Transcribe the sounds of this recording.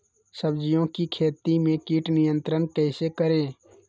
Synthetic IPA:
səbd͡ʒɪjõːkikʰeːt̪imẽːkiːʈnɪjə̃nt̪ɾənkɛːsekəɾẽː

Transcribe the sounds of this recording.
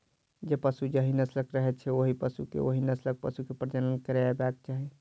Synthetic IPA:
d͡ʒepəsud͡ʒəɦinəsləkɾəɦɛt͡ʃʰɛoɦipəsukḛoɦinəslək̚pəsukepɾd͡ʒ̪ənənkəɾebak̚t͡ʃaɦi

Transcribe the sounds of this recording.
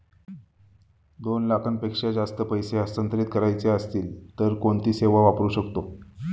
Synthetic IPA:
d̪onlakʰənpekʂad͡zast̪əpəjseəsənt̪ɾit̪kəɾajt͡seəst̪iːlt̪əɾkoɳt̪iːseʋaʋapɾuːɕəkt̪o

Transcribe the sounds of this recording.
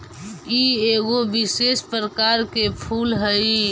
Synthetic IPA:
ieɡobisespɾəkaɾkepʰulɦəj

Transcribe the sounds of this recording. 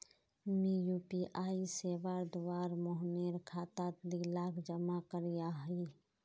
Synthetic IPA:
mijupiʔaːiseːʋaːɾd̪ʊwaːɾmoɦneɾkʰaːt̪at̪lilaːkd͡ʒəmakəɾijaɦi

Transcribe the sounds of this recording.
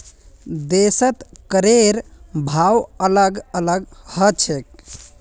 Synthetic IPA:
d̪esət̪kəɾeɾbʱawələɡələɡhət͡ʃʰek̚

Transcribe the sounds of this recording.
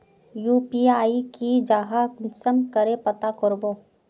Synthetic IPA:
juːpiaːikid͡ʒaːɦaksəmkəɾepət̪akʊɾboː

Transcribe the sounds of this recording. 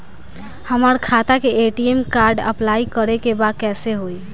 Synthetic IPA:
həməɾkʰat̪akeeʈiemkaːɾɖə̰plaikəɾekebad̪̚kɛːseɦoi

